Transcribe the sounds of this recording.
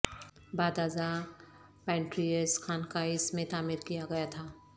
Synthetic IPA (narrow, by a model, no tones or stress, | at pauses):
baːd̪aːza | pɛ̃ːɳʈɾiəskʰaːnkaɪsmẽt̪aːmɪɾkijaɡɐjat̪ʰaː